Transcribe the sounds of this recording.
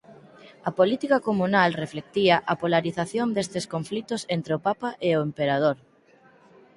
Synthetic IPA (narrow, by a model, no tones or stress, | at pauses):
ɐpolit̪ikakomũnalreflek̚t̪iɐʔɐpolaɾiθaθjond̪est̪eskoɱflit̪osent̪ɾeopapaʔeʊempeɾað̞oɾ